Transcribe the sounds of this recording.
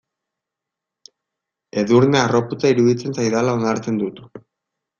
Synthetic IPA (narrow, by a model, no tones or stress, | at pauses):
e̞ðuɾnearo̞put͡saiɾuðit͡se̞nsajðalao̞naɾt͡se̞nd̪ut̪u̥